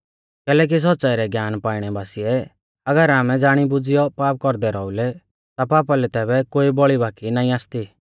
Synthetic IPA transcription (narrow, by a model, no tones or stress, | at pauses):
kɛːlɛːk̬is̬ɔtːsaiɾɛɡjaːnpaːɪɽ̃ɛbaːsiɛ | ɐɡəɾaːmɛ̃d͡zaːɽ̃ibʊd͡zɪjɔpaːp̚kɔɾd̪ɛɾɔːʊlɛ | t̪apaːpalɛt̪ɛːbɛkoːibɔɭibʱaːkinaːĩaːst̪i